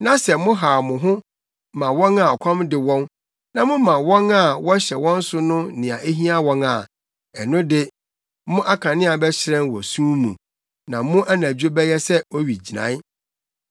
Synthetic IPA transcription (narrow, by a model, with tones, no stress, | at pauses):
nã˦sɛ˨mʊ̃˦ɦa˨mʊ̃˨ɦʊ̃˦ | mã˨wɔ̃˦na˨ɔ˨kʷʰɔ̃˦mdɪ˨wɔ̃˦n | nã˨mʊ̃˦mã˨wɔ̃˦na˦˨wɔ˦ɕɛ˨wɔ̃˦n̩˦sʊ˦nʊ̃˦nɪ̃˨a˨ʔe˦ɦĩ˦a˦wɔ̃˦na˨ | ɛ˨nʊ̃˦dɪ˦ | mʊ̃˦ʔa˦kʰã˨nɪ̃˦a˨bɛ˦ɕɪ˨ɾɛ̃˦nwɔ̰˨sũ˦mṵ̃˨ | nã˨mʊ̃˦ʔa˦nã˨d͡ʑᶣo˦bɛ˦jɛ˦sɛ˦ɔ˦ɥi˨d͡ʑi˨nã̰˨˦